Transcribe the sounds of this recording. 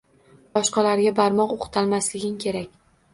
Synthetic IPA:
bɒʃqɑlaɾɡʲabaɾmɒqoqt̪ʰalmaslɪɡʲɪnkʲʰe̞ɾakʲ

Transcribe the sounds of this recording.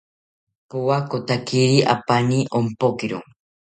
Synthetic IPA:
puwakot̪akiɾiʔa̰paniʔompokiɾṵŋ

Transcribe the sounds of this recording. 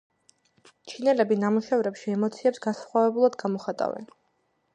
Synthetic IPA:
t͡ʃʰinɛlɛbinamuʃɛvɾɛpʃiɛmɔt̪sʰiɛpsɡasχwavɛbulˠad̪ɡamɔχat̪ʼa̰vɛ̰n

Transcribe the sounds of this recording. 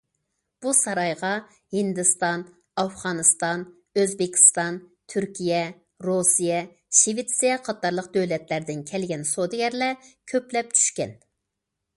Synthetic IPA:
b̥usɑɾɑjʁɑ | hɪnd̪ɨst̪ɑn | ɑfʁɑnɨst̪ɑn | øzbɪkʲʰi̥st̪ɑnt̪ʰyɾkʲʰijɛ | ɾosijɛ | ʃivit̪sijɛqʰɑt̪ːɑɾlˠəqd̪øwlɛt̪læɾd̪ɪnkʲʰɛlɡʲɛnsod̪ɪɡʲɛɾlɛkʲʰøplɛp̚t͡ʃʰy̥ʃkʲɛ̰n

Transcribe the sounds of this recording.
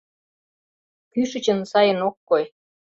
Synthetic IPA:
kyʃə̆t͡ɕə̆nsɑjə̆nokːoj

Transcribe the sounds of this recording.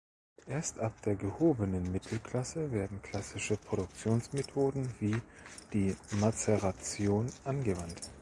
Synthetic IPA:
ʔeːɐstʔap̚d̥eːɐɡəhoːbənənmɪtʰl̩kʰl̥asəveːɐdn̩kʰl̥asɪʃəpʁ̥oɾʊk̚t͡sjoːnsmetʰoːdn̩viː | d̥iːmasɛʁat͡sjoːnʔanɡəvant

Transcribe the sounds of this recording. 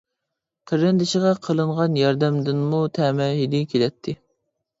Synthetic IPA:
qʰəɾːɛnd̪ɪʃiʁɑqʰəlˠɨɴʁɑnjɑɾd̪ɛmd̪ɪnmut̪ʰɛmɛɦid̪ɪkʲʰelɛt̪ʰːɪ

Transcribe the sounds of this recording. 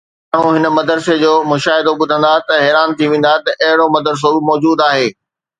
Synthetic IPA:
aːɳ̤̃ũɦɪnə̆mɐd̪əɾsed͡ʑoːmʊʃaːɦɪd̪oɓʊd̪ʱə̃nd̪at̪ɐɦɛːɾaːnt̪ʰiʋẽːn̆d̪at̪ɐʔɐɦɪɽomɐd̪əɾs̬oɪmɔːd͡ʑuːd̪aːɦeː

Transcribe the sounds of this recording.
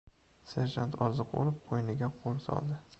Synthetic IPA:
seɾʒant̪ʰɒɾzɨqbo̰lˠɪp̚qʰojnɪɡʲaqʰolˠsɒ̰lˠd̪ɪ

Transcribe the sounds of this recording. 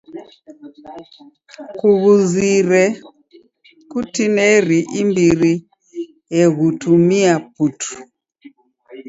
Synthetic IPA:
kuɣuziɾɛ | kutinɛɾiʔimbiɾi | jɛɣutʰumiap̚utʰu̥

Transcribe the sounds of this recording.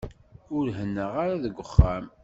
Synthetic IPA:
ʊɾɦənːəʁaɾaðəɡʷːəχːæm

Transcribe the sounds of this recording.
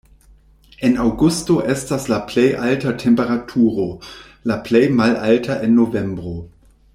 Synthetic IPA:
ʔɛnawɡustoʔɛstaslaplejʔaltatʰɛmpeʁatʰuːʁo | laplejmalʔaltʰaʔenːovɛmbʁo

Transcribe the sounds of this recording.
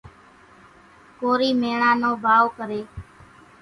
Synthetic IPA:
koːɾiːmeːɳãːnõːbʱaːʋkəɾeː

